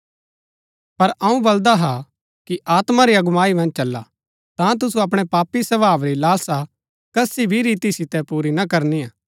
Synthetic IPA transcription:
pɐɾɐũbɐld̪aɦa | kiʔaːt̪maɾiɐɡʊmaːimɐ̃nd͡ʒt͡ʃɐlːa̰ | t̪ãt̪̬ʊsuɐp̬ɽ̃ɛpaːpːisɐbaːʋɾilaːsa | kɐsibʱiɾiːt̪isɪt̪ɛpuːɾinɐkɐɾniaː

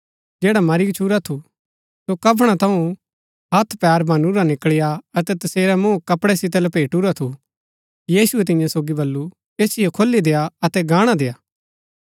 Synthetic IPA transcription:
d͡ʒeːɽamɐɾikt͡ʃʰuɾat̪ʰu | sokɐp̬ʰɽ̃at̪ʰɐũ | ɦɐt̪ʰpɛːɾbʱɐnuɾanɪkɭɪjaɐt̪ɛt̪ɐseːɾamũːkɐpɽɛsɪt̪̬ɛlɛpeːʈuɾat̪ʰu | jiːsʊɛt̪̬ɪ̃jãsoːɡibɐlːu | eːsɪjokʰolːid̪eːaɐt̪ɛɡaːɽ̃ad̪eːaː

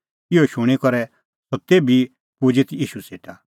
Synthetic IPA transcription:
ɪoʃũɽ̃ikɔɾɛ | sɔt̪eːbi | pud͡ʒet̪ʰjiːʃuseːʈa

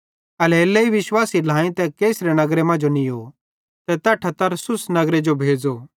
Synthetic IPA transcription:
ɐleːlːɐiʋɪʃwaːsilãːĩt̪ɛkeːsɾenɐɡɾemɐ̃nd͡ʒonioː | t̪ɛt̪ɐʈʰɐt̪ːɐɾsʊsnɐɡɾed͡ʒobʱeːd͡zo

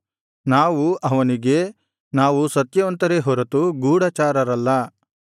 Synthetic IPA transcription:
naːʋuʔɐʋɐniɡe̞ | naːʋusɐt̪jɐʋɐnt̪ɐɾeɦɔɾɐt̪uɡuːɽɐt͡ʃaːɾɐɾɐlːɐ

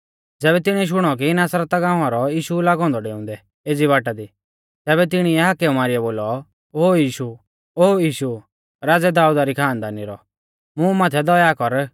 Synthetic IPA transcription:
d͡zɛːβɛt̪ɪɽ̃iʃ̬ʊɽ̃ɔk̬inaːsɾat̪aɡãːãɾɔiːʃulaːɡɔ̃ːnd̪ɔɖeːʊ̃ːnd̪ɛ | eːd͡ziβaːʈad̪i | t̪ɛːβɛt̪ɪɽ̃iɛɦakɛumaːɾiɛboːlɔ | oːjiːʃu | oːjiːʃu | ɾaːd͡zɛd̪aːud̪aɾikʰaːnd̪aːniɾɔ | mũmaːt̪ʰɛd̪ɔjakɔɾ

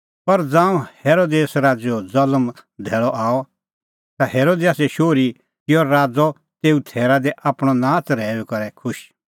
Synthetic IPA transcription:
pɐɾd͡zãːũheːɾoːd̪eːsɾaːd͡zɔd͡zɐləmd̪ʱɛːɭɔʔaːɔ | t̪aheːɾoːd̪ejaːsɛʃoːɾi | kɪjɔɾaːd͡zɔ | t̪eːut̪ʰɛːɾad̪ɛʔaːpɽ̃ɔnãːt͡sɾɛːɛkɐɾɛkʰʊʃ

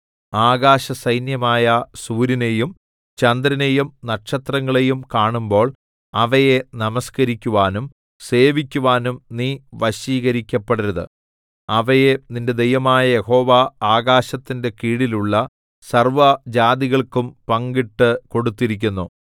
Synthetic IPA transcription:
aːɡaːɕɐsɐjnjɐmaːjɐsuːɾine̞jum | t͡ɕɐnd̪ɾɐne̞jumnɐkʂɐt̪rɐŋːɐɭe̞jumkaːɳumbo̞ːɭ | ɐʋɐje̞nɐmɐskɐɾikʲːuʋaːnum | se̞ːʋikʲːuʋaːnumniːʋɐɕiːɣɐɾikʲːɐpːeɽiɾɐðɨ̰ | ɐʋɐje̞ninde̞d̪ejɐmaːjɐjeho̞ːʋaaːɣaːɕɐt̪ːinde̞kiːɽiluɭːɐ | sɐrʋɐd͡ʑaːd̪iɣɐɭkumpɐŋɡiʈːɨko̞ɽut̪ːiɾik̬ʲːunːu

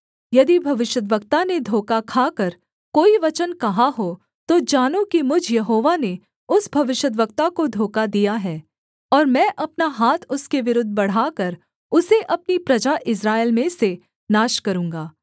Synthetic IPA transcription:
jɐd̪ibʱɐʋɪʃəd̪ʋəkt̪aned̪ʱoːkakʰaːkɐɾ | koːiʋɐt͡ʃənkɐɦaɦo | t̪od͡ʒaːnõkimʊd͡ʒʱjɐɦoːʋane | ʊsbʱɐʋɪʃjəd̪ʋək̚t̪akod̪ʱoːkad̪ijaɦɛː | ɔːɾmɛ̃ːʔɐpnaɦaːt̪ʰʊskeʋɪɾʊd̪ʱːbɐɽ̤aːkɐɾ | ʊseʔɐpnipɾɐd͡ʒaʔɪsɾaːeɪlmẽse | naːʃkɐɾũːŋɡaː

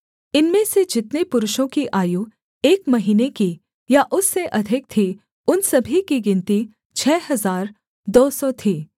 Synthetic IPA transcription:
ɪnmẽsed͡ʒɪt̪nepʊɾʊʃõkiʔaːju | eːkmɐɦiːneki | jaʔʊsːeʔɐd̪ʱɪk̚t̪ʰi | ʊnsɐbʱikiɡɪ̃nt̪i | t͡ʃʰɛːɦɐzaːɾ | d̪ɔːsɔt̪ʰiː

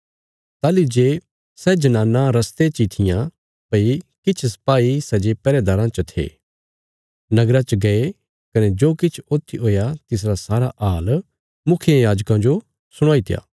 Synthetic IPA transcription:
t̪aːlid͡ʒeː | sɛd͡ʒɐnãːnːãɾɐst̪et͡ʃit̪ʰɪjã | pɐikɪt͡ʃʰsɐ̥paːisɛd͡ʒepɛːɾɛd̪aːɾãt͡ʃət̪ʰḛː | nɐɡɾat͡ʃəɡɐe | kɐned͡ʒoːkɪt͡ʃʰoːt̪ʰiɦoːjat̪ɪs̬ɾasaːɾaʔaːl | mʊkʰjãjaːd͡ʒkãd͡ʒo | sʊɽ̃aːit̪ja̰ː

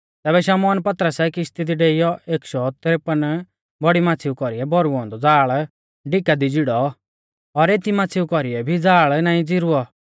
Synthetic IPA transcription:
t̪ɛːbɛʃaːmɔːnpɐt̪ɾəsɛkɪʃt̪id̪iɖeːɪjɔʔeːkʃɔt̪ɾepən | bɔɽimaːt͡sʰiːukɔɾiɛbɔɾuɔ̃ːnd̪ɔd͡zaːɭ | ɖɪkad̪id͡ziɽɔ | ɔɾeːt̪imaːt͡sʰiːukɔɾiɛbʱid͡zaːɭnaːĩd͡ziɾuɔ

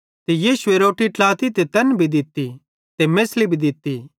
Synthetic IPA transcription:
t̪ejiːʃueɾoːʈiʈlaːt̪it̪et̪ɐnbʱid̪ɪt̪ːi | t̪emeːslibʱid̪ɪt̪ːi

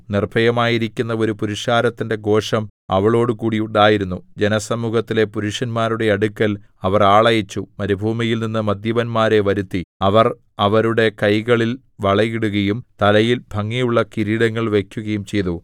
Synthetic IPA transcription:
nirbʱɐjɐmaːjiɾikʲːunːɐo̞ɾupuɾiʂkaːɾɐt̪ːinde̞ɡo̞ːʂɐmɐ̰ʋɐɭo̞ːɽɨkuːɽiuɳɖaːjiɾunːud͡ʑenɐsɐmuːhɐt̪ːile̞puɾuʂɐnmaːɾuɽe̞ɐɽukʲːɐl | ɐʋɐraːɭɐjɐt͡ɕːumɐɾibʱuːmijilninːɨmɐd̪jɐʋɐnmaːɾe̞ʋɐɾut̪ːiɐʋɐr | ɐʋɐɾuɽe̞kɐjɣɐɭil | ʋɐɭɐjiɽuɣɐjumt̪ɐlɐjilbʱɐŋːijuɭːɐkiɾiːɽɐŋːɐɭʋe̞kʲːuɣɐjumt͡ɕe̞jt̪u

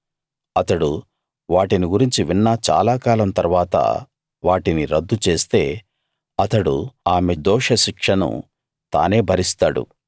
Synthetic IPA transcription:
ɐt̪ɐɽu | ʋaːʈiniɡuɾiɲt͡ʃiʋinːɐt͡ʃa̰ːlaːkaːlɐmt̪ɐɾuʋaːt̪ɐ̰ | ʋaːʈiniɾɐd̪ːut͡ʃe̞ːst̪e̞ː | ɐt̪ɐɽṵaːmed̪ɔːʂɐʃikʂɐnṵ | t̪a̰ːne̞ːbʱɐɾist̪aːɽṵ

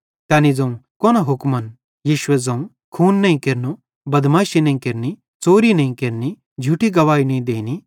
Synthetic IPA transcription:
t̪ɛːnid͡zɐ̃ũkɔːnoɦʊkmɐn | jiːʃʊed͡zɐ̃ũ | kʰuːnːɐĩkeɾno | bɐd̪maːʃinɐ̃ĩkɪɾni | t͡soːɾinɐĩkeɾni | d͡ʒʱuʈiɡɐʋaːinɐ̃ĩd̪eːni

